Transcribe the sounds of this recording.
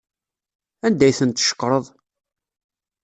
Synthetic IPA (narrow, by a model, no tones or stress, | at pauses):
ænd̪æjθənt̪ːʃə̥kːɾˤəðˤ